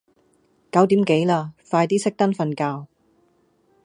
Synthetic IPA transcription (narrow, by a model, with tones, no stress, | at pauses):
kɐ˨˥wt̪̬iː˨˥mke˨˥jlaː˧faː˧jt̪iː˥sɪ˥k̚t̪ɐ˥nfɐ˧nkaː˧w